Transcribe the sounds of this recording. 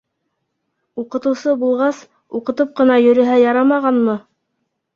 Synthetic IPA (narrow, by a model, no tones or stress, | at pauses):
uqɤ̆t̪ɤ̆wsɤbulˠʁɑs | uqɤ̆t̪ɤp̚qɤ̆nɑjɵ̆ɾɵ̆ɦæjɑɾɑmɑʁɑnmɤ